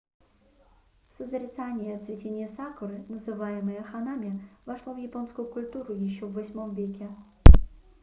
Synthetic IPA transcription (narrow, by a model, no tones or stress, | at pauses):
səzəɾʲɪt̪sanʲɪjəɐt̪svʲɪtʲenʲɪjəsakʊɾɨnəzɨvajɪmɨjəxɐnamʲɪvɐʂlˠovjɪpo̞nskʊjʊkʊlʲt̪uɾʊjɪɕːovːɐsʲmo̞mvʲekʲɪ